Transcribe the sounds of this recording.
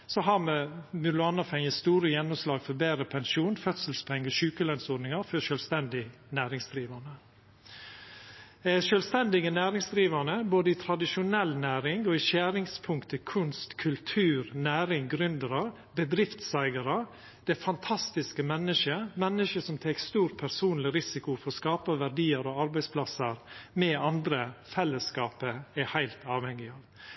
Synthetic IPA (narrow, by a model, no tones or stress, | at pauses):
sɔɦɑɾmɛmʉlʊɑnɑfɛŋəst̪uːɾəjɛnːɔmslɑːɡfɔɾbeːɾəpʰɛnʃuːnfœt̪səlspʰɛŋːəʃʉːkəlœnsɔd̪nɪŋɑfɔʃœlst̪ɛnd̪ɪ | næːɾɪŋsd̪ɾiːʋɑnə | ʃœlst̪ɛnd̪ɪɡənæːɾɪŋsd̪ɾiːʋɑnəboːd̪əɪt̪ʰɾɑd̪ɪʃʊnɛlːnæːɾɪŋɔɪʃæːɾɪŋspʰʊŋkt̪əkʰʉnst̪kʰʉlt̪ʰʉːɾnæːɾɪŋɡɾʉnd̪əɾɑ | bəd̪ɾɪft̪sæɪɡəɾə | d̪̥ɛfɑnt̪ʰɑst̪ɪskəmɛnːəʃəmɛnːəʃəsɔmt̪ʰekst̪uːɾpʰæɾsuːnlɪɾɪsɪkʊfɔɾɔskɑːpəʋæɖiːəɾoːɑɾbæɪspʰlɑsəɾmɛɑnd̪ɾəfɛlːəskɑːpəæhæɪlt̪ɑːʋhɛŋːɪɑːʋ